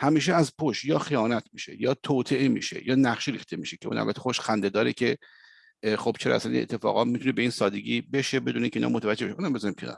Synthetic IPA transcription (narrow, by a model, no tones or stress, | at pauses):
hæmiːʃ̬eæzpʰoʃjɒːxijɒːnæt̪ʰmiːʃe̞̰jɒːt̪ʰoːt̪ʰe̞ʔemḭːʃḛjɒːnæχʃiɾiːχt̪e̞miːʃecʰeṵnʔæ̰lbæt̪ʰːexoʃxænd̪ed̪ɒːɾecʰe̞ | xob̥t͡ʃʰeɾɒ̰æ̰sænḭnḛt̪ʰːefɒ̰ːɣɒːmit̪ʰune̞beiːnsɒːd̪e̞ɡʲiːbe̞ʃe̞be̞d̪uneiŋceinɒ̰mot̪ʰævæd͡ʒːebʃʔuːnæmbezɒɾimkʰenɒ̰ːɾ